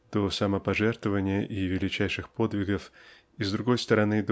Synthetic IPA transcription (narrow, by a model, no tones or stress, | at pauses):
d̪̥osɐməpɐʐɛrt̪vəvənʲɪjəʔivʲɪlʲɪt͡ɕæjʂɨxpo̞d̪vʲɪɡəf | izd̪ɾʊɡo̞jst̪əɾɐnɨd̪